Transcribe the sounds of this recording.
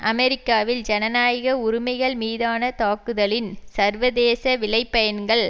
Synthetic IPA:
ʔɐmɛɾɪkːaːʋɪld͡ʒɛnɐnaːjɐɣɐʊɾʊmɐɪɣɐɭmiːðaːnɐt̪aːkɯðɐlɪnsɐɾʋɐðeːsɐʋɪlɐɪpːɐjɐnɡɐɭ

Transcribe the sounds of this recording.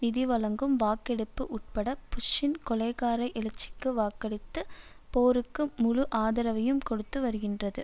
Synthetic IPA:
nɪðiʋɐlɐŋɡɯmʋaːkɛɽɯpːɯʔʊʈ̚pɐɽɐpːʊʂːɪnkɔlɐɪɣaːɾɐɪʔɪlɐt͡ʃːɪ̥kːɯʋaːkːɐɽɪt̪ːɯ | poːɾɯkːɯmʊɻʊʔaːðɐɾɐʋɐjɯmkɔɽɯt̪ːɯʋɐɾɯɣɪndrɐðɯ

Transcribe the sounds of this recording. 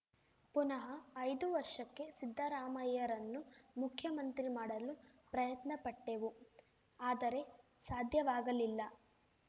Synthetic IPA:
punɐɦɐːjd̪uʋɐɾʂɐkːe̞sid̪ʱːɐɾaːmɐjɐɾɐnːumukʰjɐmɐnt̪ɾimaːɽɐlupɾɐjɐt̪nɐpɐʈːe̞ʋu | aːd̪ɐɾe̞ | saːd̪ʱjɐʋaːɡɐlilːɐ

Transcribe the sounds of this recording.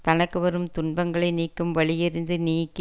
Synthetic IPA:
t̪ɐnɐkːɯʋɐɾɯmt̪ʊɳbɐŋɡɐɭɐɪniːkːɯmʋɐɭɪjɪɾɪnd̪ɯniːkː

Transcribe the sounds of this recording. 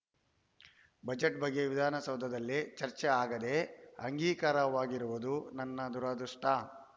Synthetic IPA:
bɐd͡ʒeʈ̚bɐɡːeʋid̪ʱaːnɐsɐwd̪ʱːɐd̪ɐlːit͡ʃɐɾt͡ʃɛaːɡɐd̪e̞ɐŋɡiːkaːɾɐʋaːɡiɾuʋud̪unɐnːɐd̪uɾad̪ɾuʂʈɐ

